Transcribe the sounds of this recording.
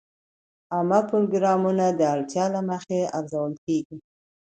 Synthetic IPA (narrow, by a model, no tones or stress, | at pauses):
ɑmapɾoɡɾɑmunad̪əaɽt̪jɑlaməxeaɾzawəlkeɡi